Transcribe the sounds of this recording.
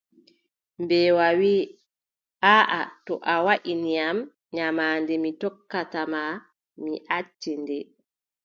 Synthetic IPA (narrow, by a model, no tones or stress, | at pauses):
mbɛːwawiː | ʔaːʔatɔʔawaʔinijam | ɲamaːndɛmitɔkːatama | miʔat͡ʃːindɛ